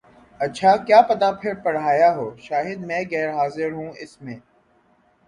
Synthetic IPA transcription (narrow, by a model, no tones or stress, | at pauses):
ɐtːʃʰaːkjaːpɐt̪apʰɪɾpɐɽ̤aːjaɦoːʃaːɦɪd̪mɛ̃ːɣɛːɾɦaːzɪɾɦũɪsmẽː